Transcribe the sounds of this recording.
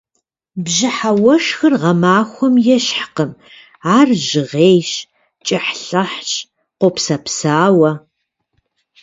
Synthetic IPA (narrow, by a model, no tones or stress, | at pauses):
bʑɪħawɐʂxɨrʁɐmaːxʷɔmjɛɕħqəm | aːrʑɪʁeːjɕ | t͡ʃʼɪħɬɐħt͡ʃʼ | qʷopsɐpsaːwɐ